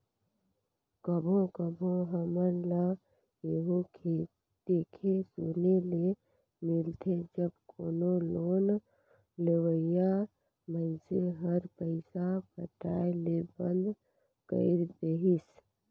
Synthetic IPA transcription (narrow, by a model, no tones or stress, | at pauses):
kəbʱõkəbʱõɦəməɾlə | eɦokʰe | d̪ekʰesunele | milt̪ʰed͡ʒəbkʰonoloːn | lewəjja | mənseɦəɾpəɪsapʰəʈaelebənd̪ | kə̰ɪɾd̪eɦis